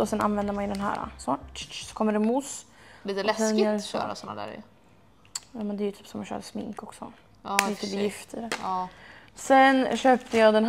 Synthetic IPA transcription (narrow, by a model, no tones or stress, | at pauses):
ɔsɛna̰nvɛnd̪əɾmanjʏd̪ɛnɦæ̰ːɾa̰sɔsɔ̥kʰɔmːəɖɛmus | liːt̪əlɛsɛnɪø̰ːɾasɔnːa̰d̪æ̰ːɾj̰ | jɑːmɛnd̪ɛjət̪ʰyːpsɔmːanɕœ̰ːɾəsmɪ̰ŋkɔksɔ̰ː | lɪt̪ːbjɪft̪ʰəɾɛ | sɛnɕøːpt̪əjɑːd̪ɛn